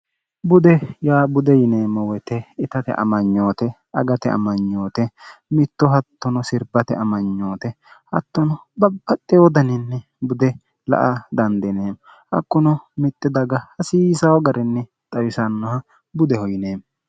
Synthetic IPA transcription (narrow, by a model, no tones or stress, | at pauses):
bʊd̪ɛjaːbʊd̪ɛjɪneːmːɔwɔt̪ɛɪt̪ɐt̪ɛ̰ʔɐ̰mɐɲːo̞ːt̪ɛ | ɐ̰ɡɐt̪ɛɐ̰mɐɲːoːt̪ɛmɪt̪ːɔɦɐt̪ːɔnɔsɪɾbɐt̪ɛɐmɐɲːoːt̪ɛ | hɐt̪ːɔnɔbɐbːɐt̪ʼːɛwɔd̪ɐnɪnːɛ | bʊd̪ɛ | lɐ̰ʔɐd̪ɐnd̪ɛneːm | hɐ̰kːʊnɔmɪt̪ːɪd̪ɐɡɐhɐsiːsɐwɔɡɐɾɛnːɛ | t̪ʼɐwɪsɐnːɔhɐ | bʊd̪ɛhɔjɪneːm